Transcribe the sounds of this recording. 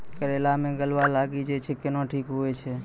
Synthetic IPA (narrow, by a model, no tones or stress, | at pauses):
kəɾelamẽɡəlʋalaɡid͡ʒet͡ʃʰekɪnõʈʰikɦojt͡ʃʰe